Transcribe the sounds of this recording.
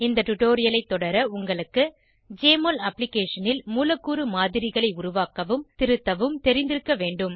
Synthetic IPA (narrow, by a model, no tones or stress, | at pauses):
ɪnd̪ɐʈʊʈoːɾɪjɐlɐɪt̪ːɔɽɐɾɐʊŋɡɐɭɯkːɯ | d͡ʒeːmolɐpːlɪkeːʂɐnɪlmuːlɐkːuːɾɯmaːðɪɾɪɣɐɭɐɪʊɾʊʋaːkːɐʋɯmt̪ɪɾɯt̪ːɐʋɯmt̪ɛɾɪnd̪ɪɾɯkːɐʋeːɳɖɯm